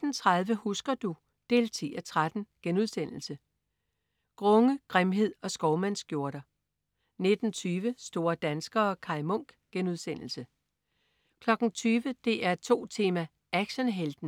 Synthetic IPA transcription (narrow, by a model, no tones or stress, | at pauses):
d̥n̩t͡sʰʁaðˠʋəhusɡ̥ɐd̥u | d̥e̝̰ːlt͡sʰḭːæt͡sʰʁad̥n̩ɡ̥enuð̞ˠsen̰l̩sə | ɡ̥ʁɔ̽ŋəɡ̥ʁemɦe̝ð̞̰ˠɒ̽sɡ̥ɒʊmæn̰sɡ̥jo̝ɐɾ̥ɐ | ne̝d̥n̩t͡sʰyːʋəsd̥o̝ːɐd̥ænsɡ̥ɐ̽ːkʰɑ̈ɪmɔ̽ŋ̰ɡ̥ɡ̥enuð̞̰ˠsen̰l̩sə | kʰlɒ̽ɡ̥n̩t͡sʰyːʋəd̥e̝ʔæɐt͡sʰo̝̰ːt͡sʰe̝ːmæ | ʔæɡ̥ɕənɦeld̥n̩